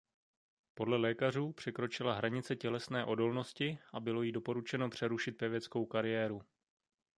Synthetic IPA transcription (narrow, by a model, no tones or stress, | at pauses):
po̞dlɛlɛːkar̝uːpr̥ɛkɾo̞t͡ʃɪlaɦɾaɲɪt͡sɛcɛlɛsnɛːʔo̞do̞lno̞scɪʔabɪlo̞jido̞po̞ɾut͡ʃɛno̞pr̝̥ɛɾuʃɪt̪̚pɛvjɛt͡sko̞wkaɾɪjɛːɾu